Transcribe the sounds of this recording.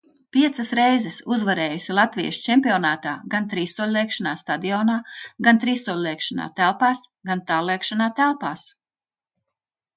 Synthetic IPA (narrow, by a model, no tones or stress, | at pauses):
piɛt̪sɐsɾɛjzɛsuzvaɾɛːjusilˠat̪vʲijʃt͡ʃɛmʲpʲiɔnaːt̪aːɡant̪ɾiːsːuɔlʲlˠeːkʃanaːst̪ad̪iɔːnaːɡant̪ɾiːsːuɔlʲlʲˠeːkʃana̰ːt̪ælˠpaːs | ɡant̪aːɾlˠeɛːkʃanaːt̪ælˠpaːs